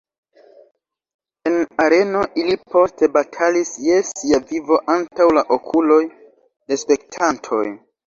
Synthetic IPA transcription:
e̞naɾe̞no̞ʔilipo̞ste̞batʰalisje̞siavivo̞ʔantawlaʔokʰulo̞j | de̞spe̞k̚tʰantʰo̞̰j

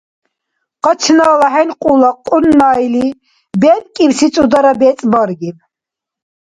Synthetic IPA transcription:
qɑt͡ʃʰnaːlaɦɛnqʼulaqʼunːajli | bɛːt̪ʼkʼimsit͡sʼud̪aɾabɛːt͡sʼbɔɾɡim

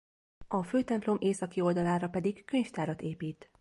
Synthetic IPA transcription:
ɒføːt̪ɛmplo̞mʔeːsɒkio̞ld̪ɒlaːɾɒpɛd̪ikkø̞ɲft̪aːɾɒt̪eːpiːt̪

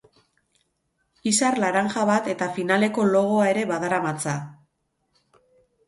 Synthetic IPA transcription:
isarlaɾaŋʝaβat̪e̞t̪afinale̞ko̞lo̞ɣ̞o̞ae̞ɾe̞βaðaɾamat͡sa

